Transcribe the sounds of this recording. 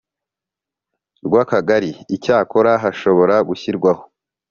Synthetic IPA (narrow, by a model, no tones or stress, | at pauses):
ɾɡwaːkaɡaɾiːcaːko̞ɾaɦaʃo̞βo̞ɾaɡuçiɾɡwaho̥